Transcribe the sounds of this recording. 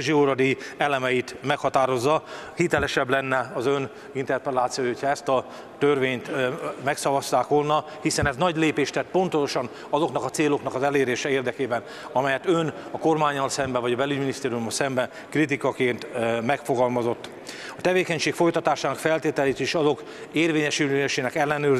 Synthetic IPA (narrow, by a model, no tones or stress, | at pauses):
ʒioɾɒd̪iɛlɛmɛit̪mɛkhɒt̪aːɾo̞zːɒhit̪ɛlɛʃɛblɛnːɛɒzøn | int̪ɛrpɛlaːt̪sijoːjhocʰhɒɛst̪ɒ | t̪ørveːɲt̪mɛksɒvɒst̪aːkʋo̞lnɒ | hisɛnɛznɒɟleːpeːʃt̪ɛt̪̚ːpo̞nt̪oʃɒn | ɒzo̞knɒkɒt̪seːlo̞knɒkɒzɛleːɾeːʃɛeːrd̪ɛkeːbɛn | ɒmɛjɛt̪ønɒko̞rmaːɲːɒlsɛmbɛvɒɟɒbɛlyɟminist̪eːɾiumːɒlsɛmbɛn | krit̪̬ikɒkeːnt̪mɛkfo̞ɡɒlmɒzo̞t̪ː | ɒt̪ɛveːkɛɲʃeːkfo̞jt̪ɒt̪aːʃaːnɒkfɛlt̪eːt̪ɛleːt̪eːʃɒzo̞k | eːrveːɲɛʃyleʃeːnɛkɛlːɛnøː